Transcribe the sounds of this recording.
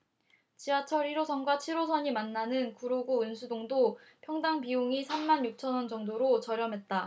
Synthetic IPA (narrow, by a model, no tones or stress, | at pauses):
t͡ɕiat͡ɕʰʌɾiɾosʰʌnɡwat͡ɕʰiɾos̬ʰʌɲimanːanɯnkuɾoɡounsʰudoŋdopʰjʌŋdaŋpiuŋisʰanmanjuk̚t͡ɕʰʌnwʌnd͡ʑʌŋdoɾot͡ɕʌɾjʌmɦe̞t̚t͈a